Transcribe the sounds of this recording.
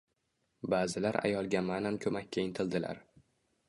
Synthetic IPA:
baːzɪlaɾa̰jɒlˠɡʲamanankʰɵmakʲːaɪnt̪ʰɪlˠd̪ɪla̰ɾ

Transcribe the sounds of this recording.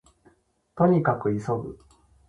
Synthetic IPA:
t̪o̞ɲ̟ikakɯ̟iso̞ɡɯ̰

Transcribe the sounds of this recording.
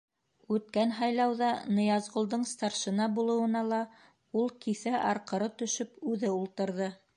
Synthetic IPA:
ʉt̪kænɦɑjlˠɑwðɑnɤ̆jɑzʁŏlˠd̪ɤɴst̪ɑɾʃɤ̆nɑbulˠɤ̆wɤ̆nɑlˠɑ | ulˠkiθæʔɑɾqɤ̆ɾɤt̪ɵ̆ʃɵpʉðɘulˠt̪ɤ̆ɾðɤ

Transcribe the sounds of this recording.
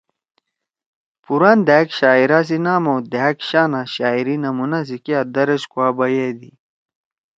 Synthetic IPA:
puɾand̪aːkɕaːiɾas̬inaːmowd̪ekɕaːnaɕaːiɾinɐmunas̬ikiad̪ɐɾeɕkuaːbɐjeːd̪i

